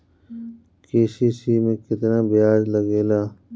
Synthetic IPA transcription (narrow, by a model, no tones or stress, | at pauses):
keːsiːsiːmẽːkɪt̪naːbijaːd͡ʒləɡeːlaː